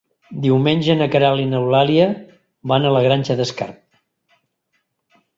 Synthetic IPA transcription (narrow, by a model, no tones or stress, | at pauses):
d̪iwmenʲʒənəkəɾalinəwlaliə | βanələɣɾanʲʒəðəska̰ɾt̪̚